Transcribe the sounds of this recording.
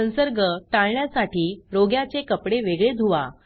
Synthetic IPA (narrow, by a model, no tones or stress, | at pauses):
ə̃nsəɾɡəʈaɭɳjasaʈiːɾoɡjat͡sekəpɽeʋeɡɭed̪ʱuʋa̰